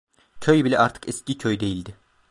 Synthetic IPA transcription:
cʰøjbilʲɛʔaɾt̪ʰɯ̥kɛscicʰøjd̪e̞jilʲd̪ɪ

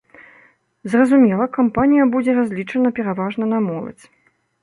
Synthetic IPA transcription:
zrɐzumʲɛlˠɐkampanʲijɐbud͡zʲɛɾazʲlʲit͡ʂɐnɐpʲɛɾavaʐnɐnamɔlˠɐ̰t͡sʲ

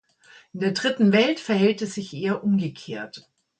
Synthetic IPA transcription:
ʔɪndeːɐdʁɪtn̩vɛltfɛɐhɛltɛsz̥ɪçʔeːɐʔʊmɡəkʰeːɐt

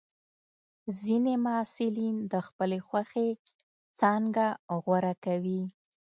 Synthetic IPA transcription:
zinemasɪlind̪əxpəlexwaxe | t͡sɑŋɡaɣwaɾakawi

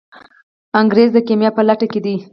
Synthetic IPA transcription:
aŋɡɾezd̪əkemjɑpəlaʈaked̪i

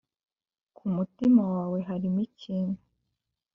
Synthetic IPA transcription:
kʰumutimawaːwe̞ɦaɾimiciːnu

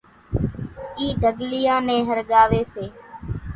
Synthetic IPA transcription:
iːɖʱəɠlɪjãːnẽːɦəɾɠaːʋeːseː

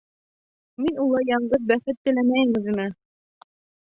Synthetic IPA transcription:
minulˠɤjɑɴɢɤðbæχɘt̪ːɘ̆læmæjɘ̆ŋɘ̆zĭmæ

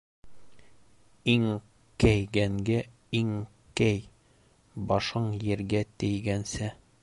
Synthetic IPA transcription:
iŋ | kæjɡæŋɡæ | iŋ | kæj | bɒʃɤɴjɘ̆ɾɡæt̪ɘ̆jɡænsæ

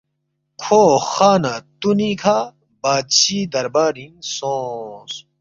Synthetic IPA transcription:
kʰoːxaːnat̪unikʰa | baːd̪̚t͡ɕiːd̪ɐɾbaːɾĩnsõːs

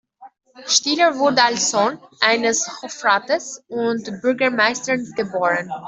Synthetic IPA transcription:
ʃtiːləvʊɐdəalsz̥oːnʔaɪnəshɔfʁaːtəsʊntb̥ʏɐɡɐmaɪstənɡ̥əboːʁən

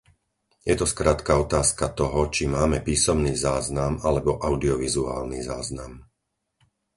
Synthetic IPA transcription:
jɛt̪ɔskɾaːt̪kaɔt̪aːskat̪ɔɦɔt͡ʃimaːmɛpiːsɔmniːzaːznamalɛbɔʔaʊd̪iɔʋizua̰ːlnḭzaːznam

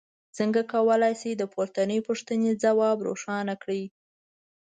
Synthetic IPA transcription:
t͡səŋɡakawəlajsed̪əpoɾt̪anəjpuʂt̪əned͡zawɑbɾo̰ʂɑnakɽi

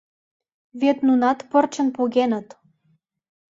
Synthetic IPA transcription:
βet̪nunɑt̪pɤrt͡ɕə̆npuɣenə̆t̪

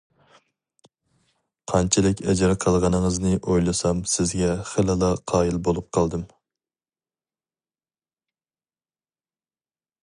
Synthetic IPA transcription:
qʰɑnt͡ʃʰɪlɪkʲɛd͡ʒɪɾqʰɑlˠʁɑnɨŋɨznɨʔojlˠɨsɑmsɪzɡʲɛχelɨlˠɑqʰɑːjilbolˠup̚qʰɑlˠd̪ɨm

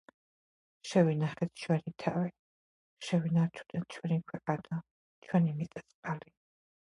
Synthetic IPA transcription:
ʃɛvinaχɛt̪ʰʃwɛnit̪ʰawi | ʃɛwinaɾt͡ʃʰu̥d̪ɛnt͡ʃʰwɛnikʰwɛqʼana | t͡ʃʰwɛnimit̪sʼɛ̥sʼqʼali

